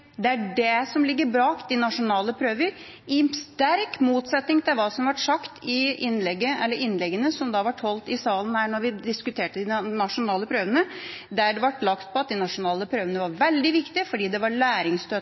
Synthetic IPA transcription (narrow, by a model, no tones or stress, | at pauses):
d̪ɛæɖɛsɔmlɪɡːəɾbɾɑːkd̪ɪnɑʂʊnɑːləpʰɾøːʋəɾ | ɪst̪æɾkmuːt̪sɛt̪nɪŋt̪ʰɪlʋɑːsɔmʋɑʈʂɑkt̪ʰɪɪnːlɛɡːəɛlːəɾɪnːlɛɡːənəsɔmd̪ɑʋɑʈhɔlt̪ɪsɑːlənhæːɳɔɾʋɪd̪ɪskʉt̪ʰeːʈəd̪ɪnɑʂʊnɑːləpʰɾøːʋənəd̪æɖɛʋɑʈːlɑkt̪̚pʰɔɑt̪̚d̪ɪnɑʂʊnɑːləpʰɾøːʋənəʋɑɾʋɛld̪ɪʋɪkt̪ɪfɔɖiːd̪ɛʋɑɾɭæːɾɪŋst̪øː